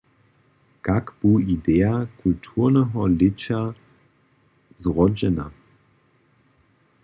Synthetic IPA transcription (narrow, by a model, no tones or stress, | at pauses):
kakb̥uːideːakʰultʰuːɐnəɦɔlɪt͡ɕa | zʁɔd͡ʑɛna